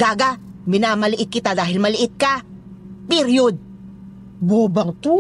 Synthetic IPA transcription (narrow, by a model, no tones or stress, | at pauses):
ɡaːɡamɪnaːmɐlɪʔɪt̪̚kɪt̪ad̪aːɦɪlmɐlɪʔɪt̪̚kɐ | pɪɾjod̪̚ | boːbɐŋt̪uː